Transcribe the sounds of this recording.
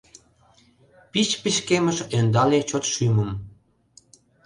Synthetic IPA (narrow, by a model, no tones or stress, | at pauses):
pit͡ɕpiʃkemə̆ʃønd̪ɑlet͡ɕot̪ʃyməm